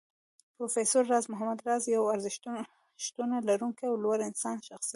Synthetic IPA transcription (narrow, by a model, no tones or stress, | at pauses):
pɾofesoɾːɑzmʊɦamad̪ɾɑzjawaɾzɪʃt̪ | ʃt̪unalaɾuŋkaawlwaɾɪnsɑnʃaxsii